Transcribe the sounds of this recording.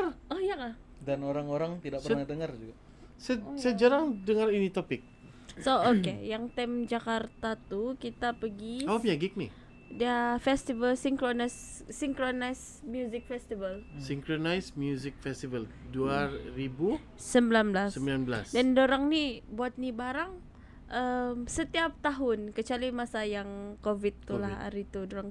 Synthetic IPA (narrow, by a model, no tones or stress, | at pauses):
ɔhjaŋah | danoɾaŋoɾaŋt̪idaʔ̚pərnahdəŋard͡ʒuɡa | ssaad͡ʒaɾaŋdəŋarinit̪opɪk̚ | sookejaŋt̪ɛmd͡ʒakart̪at̪ukit̪apəɡiawapɲaɡɪk̚ni | diafɛst̪ivəlsiŋkɾonasː | iŋkɾonajs | mjuzɪk̚fɛst̪ivəlsiŋkɾonajsmjuzɪk̚fɛst̪ivəlduaribuː | əmbilanblassəmbilanbəlasdɛndoɾaŋnibuat̪̚nibaɾaŋ | ʔəmsət̪iap̚t̪aɦʊnkət͡ʃalimasajaŋkovit̪ːulaha̰ɾit̪udoɾaŋ